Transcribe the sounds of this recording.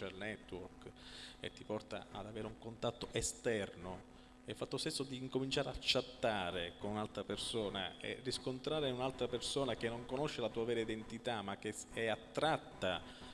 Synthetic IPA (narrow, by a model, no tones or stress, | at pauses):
alnɛt̪ːwɔrkḛt̪ːipɔrt̪a̰a̰d̪aveːɾeuŋkont̪at̪ːoʔest̪ɛrno | ɛlfat̪ːost̪esːod̪iːŋkomint͡ʃaːɾeat͡ʃːat̪ːaːɾekonunalt̪ɾapersoːna̰ḛriskont̪ɾaːɾeunalt̪ɾapersoːnak̟enːoŋkonoʃːelat̪uːavɛːɾaid̪ent̪it̪amak̟ːeɛat̪ːɾat̪ːa